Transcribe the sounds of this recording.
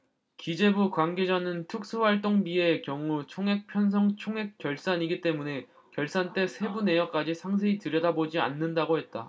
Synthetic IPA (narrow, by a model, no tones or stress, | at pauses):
kid͡ʑe̞bukwanɡe̞d͡ʑanɯntʰɯk̚s͈ʰuɸwaɭt͈oŋbiekjʌŋut͡ɕʰoŋɦe̞k̚pʰjʌns̬ʰʌŋt͡ɕʰoŋɦe̞k̚k͈ːjʌɭs͈aɲiɡit͈e̞mune̞ | kjʌɭs͈ant͈e̞sʰe̞bune̞jʌk̚k͈ad͡ʑisʰaŋs̬ʰeitɯɾjʌdabod͡ʑia̰nːɯndaɡoɦhe̞t̚t͈a